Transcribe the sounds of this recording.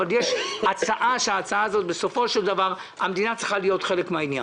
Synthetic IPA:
aljeʃat͡saʔaʃeaːt͡saaːzo̞t̪be̞so̞fo̞ʃeld̪avaʁ | amed̪inat͡sʁiχalijo̞t̪χe̞lekmeainja̰

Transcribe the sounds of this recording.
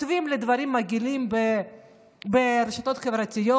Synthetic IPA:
t̪vimled̪vaɾimːaɡilimbe | beɾeʃat̪ot̪χevɾat̪ijo

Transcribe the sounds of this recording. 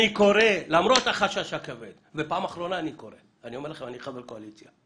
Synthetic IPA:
iko̞ɾelamɾo̞t̪aχaʃaʃakaved̪vepaːmaχɾo̞naːniko̞ɾe | aniomeɾlaχemaniχavelkoalit͡sja

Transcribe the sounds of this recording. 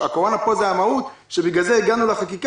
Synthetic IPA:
akoʁonapo̞zeamaut̪ʃebiɡalzeiɡanuleχakik

